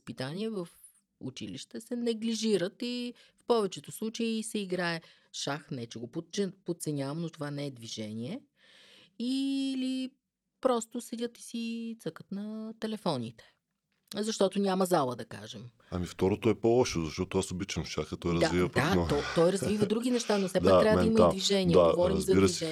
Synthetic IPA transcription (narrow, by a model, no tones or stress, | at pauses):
spit̪aniɛvəf | ṵt͡ʃḭliʃt̪ɛsɛnɛɡliʒiɾət̪ifpɔvɛt͡ʃɛt̪ʊslˠut͡ʃəiːsɛiɡɾaɛ | ʃaxnɛt͡ʃɛɡopott͡ʃɛpot̪̚t̪sɛnʲavɐmnot̪ovanɛɛd̪viʒɛnʲiɛ | ili | pɾɔst̪osɛdʲət̪i̥sit̪sɤkə̥t̪nɐt̪ɛlɛfɔnit̪ɛ̥ | zɐʃt̪ɔt̪onʲamɐzalˠəd̪ɐka̰ʒɛm | ɐmift̪ɔɾot̪oɛpɔlˠɔʃozɐʃt̪ɔt̪oasobit͡ʃɐmʃaxət̪ɔjɾəzd̪avivd̪at̪ɔt̪ɔjɾɐzvivəd̪ɾuɡʲinɛʃt̪anofsɛd̪akktɾʲavɐd̪imɐid̪viʒɛnʲiɛaɡvɔɾiɾimzzɐdiɾəviʒɛ